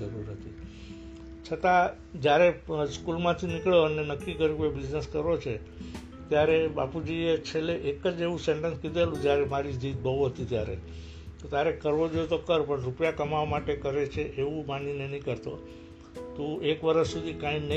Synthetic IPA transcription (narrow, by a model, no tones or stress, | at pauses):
əɾuɾnət̪ʰi | t͡ʃʰət̪ã | d͡ʒjaɾeskulmãt̪ʰinɪkɭjoənenəkːikəɾjũebid͡ʒneskəɾʋot͡ʃʰe | t̪jaɾebapud͡ʒiet͡ʃʰeleʔekəd͡ʒeʋũseɳʈənskid̪elũt̪jaɾemaɾid͡ʒ̪it̪̚bʱəoɦət̪it̪ja̰ɾḛ | t̪ot̪jaɾekəɾʋod͡ʒoet̪okəɾpəɳɾupjakəmaʋmaʈekəɾet͡ʃʰeʔeʋũmaninenĩkəɾt̪o | t̪ũʔekʋəɾəssud̪ʱikãĩnə